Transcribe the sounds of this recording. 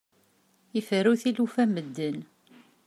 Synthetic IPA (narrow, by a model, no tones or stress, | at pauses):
ifəɾuθilufæməd̪ːən